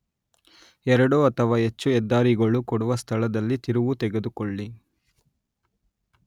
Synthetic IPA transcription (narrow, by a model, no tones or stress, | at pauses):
ɛɾɐɽuːɐt̪ʰɐʋaːɦet͡ʃːuɛd̪ːaːɾiɡɐɭukɔɽuʋɐst̪ʰɐɭɐd̪ɐlːit̪iɾuʋut̪ɛɡed̪ukɔɭːi